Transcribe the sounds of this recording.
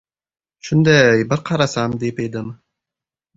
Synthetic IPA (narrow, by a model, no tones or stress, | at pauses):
ʃʊnd̪ajbɪɾqʰɑɾasamd̪epejd̪ɪm